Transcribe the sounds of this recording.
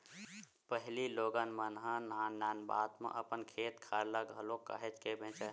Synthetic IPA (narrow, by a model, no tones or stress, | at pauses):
pəɦliloːɡənmənɦə̃naːnaːnba̰ːt̪mḛ̃ʔəpənkʰeːt̪kʰaɾləɡɦəloka̰ɦet͡ʃkebʱẽːt͡ʃə